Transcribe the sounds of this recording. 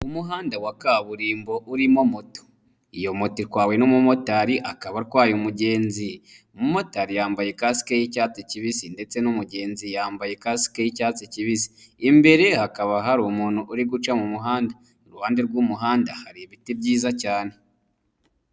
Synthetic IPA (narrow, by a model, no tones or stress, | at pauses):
umuɦaːndawakaβuɾiːmbo̞ʔuɾimomoto̥ | ijo̞motiɾkwaːwe̞nomumotaɾiʔakaβaɾkwaːjomuɟe̞ːnzi | umumo̞taɾijaːmbajekasi̥kejicaːt͡siciβisinde̞t͡se̞numuɟe̞ːnzijaːmbajekasi̥kejicaːt͡siciβisi̥ː | mbe̞ɾe̞hakaβaɦaɾuːmuːnhuʔuɾiɡut͡ʃamumuɦaːnda | ɾuhaːndeɾɡuːmuɦaːndahaɾiβitibɟiːzacaːne̞